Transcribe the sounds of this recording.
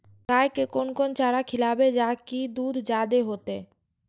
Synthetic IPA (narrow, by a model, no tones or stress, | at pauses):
kaːjkekoːnkont͡ʃaːɽakʰɪlaːbed͡ʒaːkid̪uːd̪ʱd͡ʒaːd̪eɦoːt̪eː